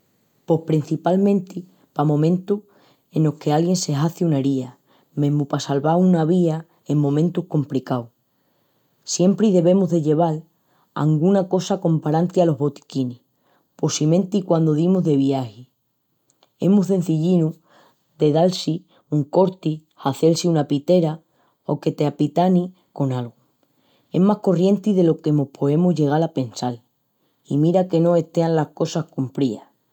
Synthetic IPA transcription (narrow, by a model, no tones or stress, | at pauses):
po̞hpɾin̟θipalmẽ̞nt̪i | pamõ̞mẽnt̪u | e̞no̞hke̞alɣje̞nse̞ɦaθiunaɾia | mẽ̞ɦmupasalβaunaβia | e̞ŋmõ̞mẽ̞nt̪uhko̞mplikaw | sje̞mpɾiðe̞βe̞muɦðe̞ʎe̞β̞al | a̰ŋɡunako̞sako̞mpaɾant̪ialo̞ɦβo̞t̪i̥kini | po̞simẽ̞nt̪ikwand̪oðimoɦðe̞βiahi | emuðe̞n̟θiʎinu | d̪e̞ðalsi | uŋko̞ɾt̪ihaθe̞lsiunapit̪e̞ɾa | o̞̰ke̞t̪eapit̪ani | ko̞nalɣu | e̞̰ɦmahko̞rje̞nt̪iðe̞lo̞ke̞mo̞hpʰo̞e̞muɦʝe̞ɣ̞alape̞nsal | imiɾake̞nõ̞e̞t̪e̞anlahko̞sahkumpɾia